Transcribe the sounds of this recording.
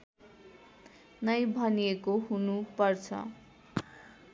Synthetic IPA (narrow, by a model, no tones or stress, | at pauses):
nʌjbʱʌnijekoɦunupʌrt͡sʰʌ̰